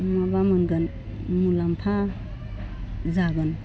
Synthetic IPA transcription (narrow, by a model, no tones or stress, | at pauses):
mabamɯnɡɯn | mulampʰa | zaɡɯn